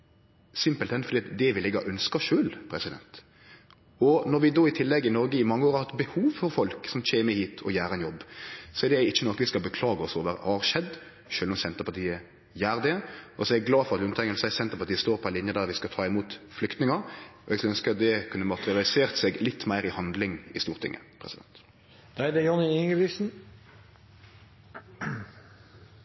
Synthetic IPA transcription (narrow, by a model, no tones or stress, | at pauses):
sɪmpəlt̪ɛnfɔɾd̪iːɑt̪d̪ɛʋɪlɛɡɑʔœnskəʃøːlpʰɾɛsɪd̪ɛ̰nt̪ | ɔnɔɾʋɪd̪oːɪt̪ʰɪlːɛɡːɪnɔɾɡəɪmɑŋːəoːɾɑhɑt̪bəhuːʋfɔɾfɔlksɔmt͡ʃʰeːmːəhiːt̪ʰɔjæːɾəɛnjɔbːsɔɛɾd̪ɛɪt͡ʃːənɔkːəʋɪskɑbəkʰlɑːɡəɔsoːʋəɾhɑɾʃɛd̪ | ʃøːlɔmsɛnt̪əpɑt̪ʰiːə | jæːʁd̪ɛɔsɔɛɛɡɡlɑːfɔɾɑt̪ʉnt̪ʰɛŋəlsæɪsɛnt̪əɾpɑt̪iːəst̪oːɾpʰɔɛɪnɪnjəd̪æɾʋɪskɑt̪ʰɑːɪmuːt̪flʏkt̪nɪŋəɔɛɡsɑœnskəɑt̪̚d̪ɛkʰʉnːəmɑt̪əʁɪɑlɪseːʁt̪sɛɡlɪt̪ːmæɪɾɪhɑnd̪lɪŋɪst̪uːʁt̪ʰɪ̰ŋːʔə̰pʰʁɛsɪd̪ɛ̰nt̪ | d̪̥æɪd̪ɛjɔnɪɪŋəʋɪsn̩